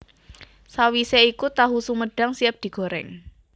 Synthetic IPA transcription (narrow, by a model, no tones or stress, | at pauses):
sawiseikut̪aɦusuməɖ̥a̤ŋsiəp̚d̪̥i̤ɡ̥o̤ɾɛ̰ŋ